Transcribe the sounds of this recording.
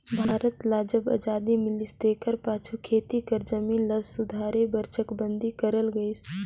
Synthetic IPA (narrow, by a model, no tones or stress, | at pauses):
bʱaːɾət̪laːd͡ʒəba̰d͡ʒaːd̪imɪlist̪eːkəɾpaːt͡ʃʰukʰeːt̪ikəɾd͡ʒəmiːnləsʊd̪ʱaːɾebəɾt͡ʃʰəkbə̃nd̪ʱikəɾəlɡəis